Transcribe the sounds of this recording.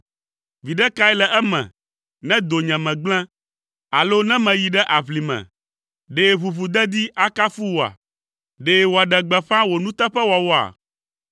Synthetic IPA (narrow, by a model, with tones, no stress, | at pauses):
vi˨ɖɛ˦ka˦ɛ˦lɛ˨ʔɛ˦mɛ̰̃˨ | nɛ̃˦d̪o˨ɲɛ̃˨mɛ̃˨ɡ͡blɛ̃˦ | a˨lo˦nɛ̃˦mɛ̃˨ji˨ɖɛ˦ʔa˨βli˨mɛ̰̃˨ | ɖe˦βu˨βu˨d̪ɛ˦d̪i˦ʔa˦ka˦fu˦wo˨a̰˨ | ɖe˦wo˨a˨ɖɛ˨ɡ͡bɛ˨ɸã˦wo˨nũ˦t̪ɛ˦ɸɛ˦wa˨wo˦a̰˨